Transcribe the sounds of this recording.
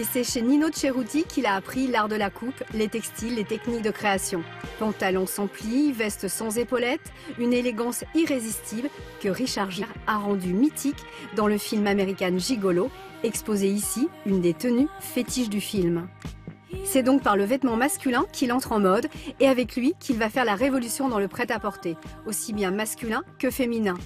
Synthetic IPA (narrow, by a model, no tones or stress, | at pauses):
esɛʃeninot̪ʃeʁut̪ikʰʲilaːpχilaʁd̪əlakʰuplet̪ɛkst̪ilːet̪ɛknik̚d̪əkχeasjɔ̃pɑ̃t̪alɔ̃sɑ̃plivɛst̪əsɑ̃zepɔlɛt̪ | yneleɡɑ̃siʁezist̪ʰiblkəʁiʃaʁʒiʁaʁɑ̃d̪ymit̪ʰik | d̪ɑ̃ləfilmameʁikʲanʒiɡɔlo | ɛkspozeisiynd̪et̪ənyfet̪iʃd̪yfilm | sɛd̪ɔ̃k̚paʁləvɛt̪mɑ̃maskʲylɛ̃kʰʲilɑ̃t̪χɑ̃mɔd̪eavɛklɥikʲʰilvafɛʁlaʁevɔlysjɔ̃d̪ɑ̃ləpχɛt̪apɔʁt̪eosibjɛ̃maskʲylɛ̃kəfeminɛ̃